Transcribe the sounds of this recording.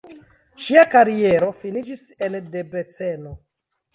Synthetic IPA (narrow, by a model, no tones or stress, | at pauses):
ʃiakaɾie̞ɾo̞finid͡ʒis | e̞nde̞be̞t͡se̞no